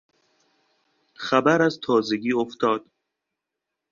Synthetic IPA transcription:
xæbæɾæzt̪ʰɒːzeɡʲiːoft̪ʰɒːd̪̥

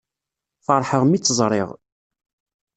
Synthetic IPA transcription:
fəɾˤħəʁmit͡sːəzˤɾˤɪ̰ʁ

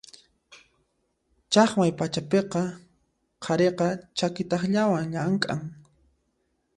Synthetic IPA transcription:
t͡ʃɑχmajpat͡ʃapeqɑ | qʰɑɾeqɑt͡ʃakɪt̪ɑχʎawaŋʎaŋkʼaŋ

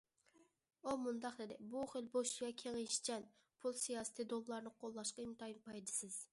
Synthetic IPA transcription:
omund̪ɑqd̪ed̪ɪbuχɪlboʃɡɑkʲʰeŋɪʃt͡ʃʰɛn | pʰulˠsijɑːsɪ̥t̪ʰɪd̪olˠlˠɑɾnɨqʰolˠːɑʃqɑimt̪ɑjnpʰɑjd̪ɪsɪz̥

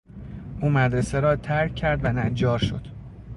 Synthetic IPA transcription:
uːmæd̪ɾeseɾɒːt̪ʰæɾcʰːæɾd̪vænæd͡ʒɒːɾʃo̰d̪̥

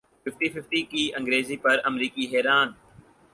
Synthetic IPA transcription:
fɪfʈiːfɪfʈikiːʔɐ̃ŋɡɾeːziːpɐɾɐmɾiːkiɦɛːɾaːn

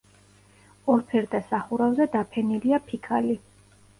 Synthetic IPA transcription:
ɔɾpʰɛɾd̪asaχuɾavzɛd̪apʰɛniliapʰikʰali

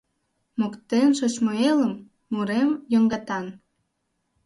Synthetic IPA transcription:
mokt̪enʃot͡ɕmoeləmː | uɾemjoŋɡɑt̪ɑn

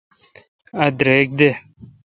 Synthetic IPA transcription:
ɐd̪ɾeːk̚d̪e

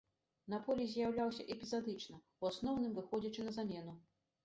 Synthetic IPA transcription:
napɔlʲizʲjawlʲawsʲɐʔɛpʲizad̪ɨt͡ʂnɐ | wasnɔwnɨmvɨxɔd͡zʲɐt͡ʂɨnɐzamʲɛnu

